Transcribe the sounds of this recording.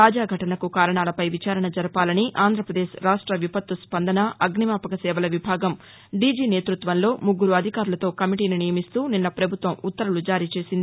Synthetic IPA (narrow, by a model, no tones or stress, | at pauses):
t̪aːd͡ʒaːɡʱɐʈɐnɐkukaːɾɐɳaːlɐpɐjʋit͡ʃaːɾɐɳɐd͡ʒɐɾɐpaːlɐniʔaːnd̪ʱɾɐpɾɐd̪eːʃɾaːʂʈɾɐʋipɐt̪ːuspɐnd̪ɐnɐɐɡnimaːpɐkɐsɛːʋɐlɐʋibʱaːɡɐm | ɖiːd͡ʒiːneːt̪ɾut̪ʋɐnlo̞ːmuɡːuɾuɐd̪ʱikaːɾulɐt̪o̞ːkɐmiʈiːninijɐmist̪uːninːɐpɾɐbʱut̪ʋɐmut̪ːɐɾulud͡ʒaːɾiːt͡ʃe̞ːsind̪ii